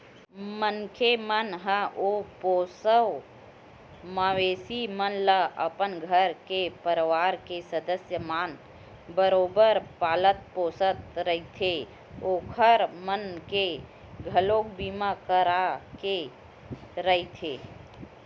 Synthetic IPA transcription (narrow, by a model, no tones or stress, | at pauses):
mənkemənɦə̃ʔopoːsəw | maːweːsimənləəpənɡʱəɾkepəɾʋaːɾkesəd̪əsjəmaːn | bəɾoːbəɾpaːlət̪̚poːsət̪ɾəit̪ʰe | oːkʰəɾmənke | ɡʱəloːkbiːmakəɾake | ɾəit̪ʰeː